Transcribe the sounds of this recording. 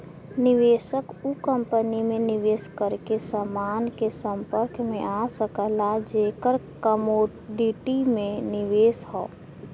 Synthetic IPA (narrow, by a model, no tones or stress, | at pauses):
nɪʋeːʃəkukə̃mpənimẽnɪʋeːskəɾkesəmaːnkesə̃mpəɾkmẽʔasəkəlad͡ʒeːkəɾkəmoː | ɖiʈimẽnɪʋeːsɦɔː